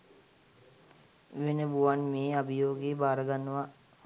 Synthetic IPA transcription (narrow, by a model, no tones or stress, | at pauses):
ʋenəbuʋanmeːabijoːɡiːbaːɾəɡanːəʋa